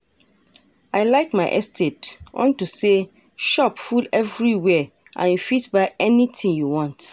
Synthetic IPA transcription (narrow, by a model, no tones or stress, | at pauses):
aɪlaɪkmaɪʔɛ̰stʰetʔɔ̰̃ntuse | ʃɔpfulɛvɹiwɛ | ʔã̰njufitbaɪɛnitʰĩŋjuwɔ̃nt